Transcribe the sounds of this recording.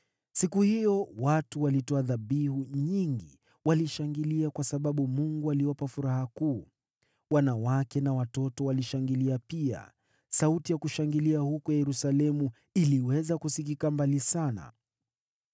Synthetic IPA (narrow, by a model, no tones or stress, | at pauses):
sikuhijɔwatuwalitɔaðaɓihuɲiŋɡḭ | waliʃaŋɡiliakwasaɓaɓumuŋɡualiwapafuɾahakuː | wanawakɛnawatɔtɔwaliʃaŋɡiliapia̰ | sautijakuʃaŋɡiliahukɔjajɛɾusalɛmu | iliwɛzakusik̬ikambalisana̰